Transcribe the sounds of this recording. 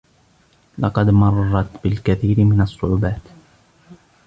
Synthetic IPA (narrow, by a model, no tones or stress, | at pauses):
lɑqɑd̪mɑrˤːɑt̪bɪlkaθiːɾɪmɪnasˤːʊʕuːbaːt̪